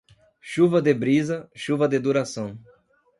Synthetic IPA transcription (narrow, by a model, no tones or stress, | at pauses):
ʃuvɐd̪ɪbɾizɐʃuvɐd̪ɪd̪uɾasɐ̃w̃